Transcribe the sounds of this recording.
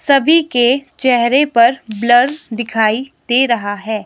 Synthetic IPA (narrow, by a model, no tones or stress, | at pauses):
sɐbʱiket͡ʃɛɦɾepɐɾblɐɾd̪ɪkʰaːid̪̥eːɾɐɦaɦɛː